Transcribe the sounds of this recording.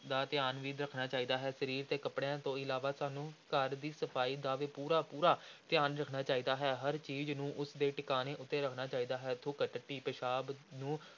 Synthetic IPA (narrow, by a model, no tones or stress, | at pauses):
d̪aːt̪ɪjaːnʋiːd̪ɾəkʰnaːt͡ʃaːiːd̪aːɦɛːsəɾiːɾt̪eːkəpɽeãːt̪õːɪlaːʋaːsaːnũːkəɾd̪iːsəpʰaːiːd̪aːʋeːpuːɾaːpuːɾaːt̪ɪjaːnɾəkʰnaːt͡ʃaːiːd̪aːɦɛːɦəɾt͡ʃiːznũːʔʊsd̪eːʈɪkaːneːʔʊt̪ːeːɾəkʰnaːt͡ʃaːiːd̪aːɦɛːt̪ʰʊkəʈəʈːiːpəʃaːbnũː